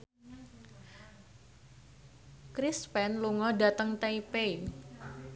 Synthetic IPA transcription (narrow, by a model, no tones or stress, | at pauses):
kɾispɛnluŋɔda̤t̪əŋt̪eipei